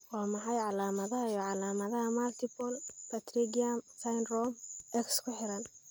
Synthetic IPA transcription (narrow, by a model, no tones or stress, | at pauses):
waːmɑħɑjʕɑlaːmɐðɐɦɐjɔʕɑlaːmɐðɐɦɐmɐlt̪ʰɪpʰɔlpʰɐt̪ʰriɡɐmkʰajnrɔmɛkskʰʊħɪɾɐn